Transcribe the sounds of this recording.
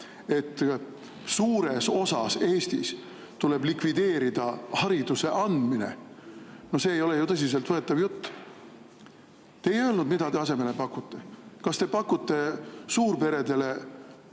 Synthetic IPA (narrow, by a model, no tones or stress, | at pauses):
e̞t̪ː | suːɾe̞so̞sɑse̞ːst̪is | t̪ule̞blikvid̪e̞ːɾid̪̥ɑhɑɾid̪̥use̞ʔɑnd̪minḛ | no̞hse̞ːjo̞le̞jut̪ɤs̬is̬e̞lt̪vɤe̞t̪ːˑɑvjut̪ː | t̪eːjø̞ːlnud̪mid̪ɑt̪e̞ɑse̞me̞le̞pɑkːut̪ːe̞kɑst̪e̞pɑkːut̪ːe̞suːrpe̞ɾe̞d̪e̞le̞